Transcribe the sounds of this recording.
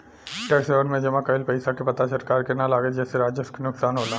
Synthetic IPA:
ʈɛːkseːʋənmẽd͡ʒɐmãkɐɪlpɐɪsakepɐt̪asɐɾkaːɾkenalaːɡed͡ʒɛːseɾaːd͡ʒjəskenʊksaːnɦoːlaː

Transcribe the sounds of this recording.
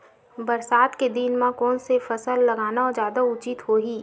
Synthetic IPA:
bɐɾsaːt̪ked̪inmãkɔːnsefɐsəlːɐɡaːnaɔːɾzjaːd̪aʊt͡ʃɪt̪ɦoːɦiː

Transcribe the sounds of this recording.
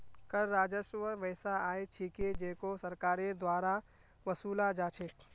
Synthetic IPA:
kɐɾɾaːd͡ʒəʃʋəʋɛːsaaːet͡ʃʰiked͡ʒeːkosɐɾkaːɾed̪waːɾa | ʋɐsuːlad͡ʒaːt͡ʃʰeː

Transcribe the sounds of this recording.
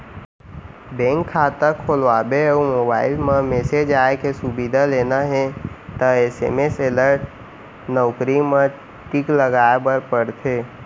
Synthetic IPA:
bɛ̃ːŋkʰːaːt̪əkʰoːlʋaːbeɔːmoːbaːɪlmãmeːsed͡ʒaːekesubid̪ʱaleːnaɦɛ̃t̪əeːsḛmeseːləɾʈ̚ | nɔːkɾimã | ʈikləɡaːebəɾpəɽt̪ʰeː

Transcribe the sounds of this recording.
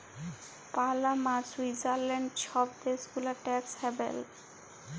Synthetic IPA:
palamad͡ʑwid͡ʑaɾlɛɳɖʃɔbt̪esɡulaʈɛkshɛbḛl

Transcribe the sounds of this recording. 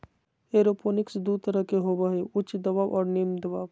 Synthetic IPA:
eːɾoːpʰoːnɪksd̪ut̪əɾəkeɦoːbəɦeʊt͡ʃd̪ɐbaːbʔɔːɾneːmd̪ɐbaːb

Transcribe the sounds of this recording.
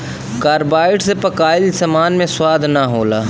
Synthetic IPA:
kaːɾbaːɪʈsepəkaːɪlsɐmaːnmẽswaːd̪ʱnaɦoːlaː

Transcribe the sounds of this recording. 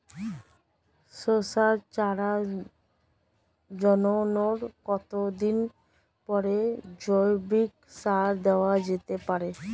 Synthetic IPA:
sosaɾt͡ɕaɾa | d͡ʑɔnonoɾkɔt̪od̪in | pɔɾed͡ʑojbik̚ | saɾd̪ɛoad͡ʑet̪epaɾe

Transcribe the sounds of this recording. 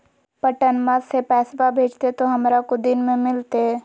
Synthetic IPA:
pəʈənmasepɛːsbabʱeːd͡ʒt̪et̪oɦɐmɾakod̪ɪnmẽmɪlt̪e

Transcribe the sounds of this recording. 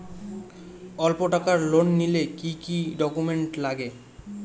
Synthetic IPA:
ɔlpoʈakaɾlonːilekikiɖɔkumeɳʈlaɡe

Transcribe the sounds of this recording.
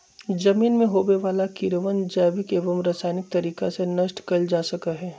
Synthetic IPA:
d͡ʒɐmiːnmẽɦoːbeʋaːlakiɾəʋənd͡ʒɛːʋɪkeːʋəmɾaːsaːnɪk̚t̪ɐɾiːkasenɐʃʈkɐld͡ʒaːsɐkəɦɛː

